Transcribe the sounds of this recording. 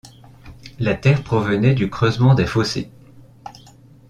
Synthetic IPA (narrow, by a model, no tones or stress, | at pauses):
lat̪ɛʁpχɔvənɛd̪ykχøzmɑ̃d̪ɛfosḛ